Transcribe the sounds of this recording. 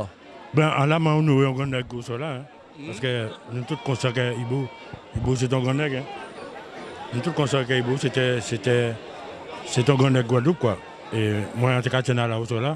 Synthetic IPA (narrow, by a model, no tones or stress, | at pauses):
ɡ͡bãʔalamãwunũwojɔ̃ɡɔ̃nɛɡosɔlaɛ̃ | paskenũt̪ukɔ̃sɛkɛibo | ibos̬et̪̬ɔ̃ɡɔ̃nɛkɛ̃ | nũt̪ukɔ̃sɛkɛiboset̪ɛset̪ɛ | set̪ɔ̃ɡɔ̃nɛɡoadokua | emɔ̃ãt̪ikat͡ʃɛnãlawosɔla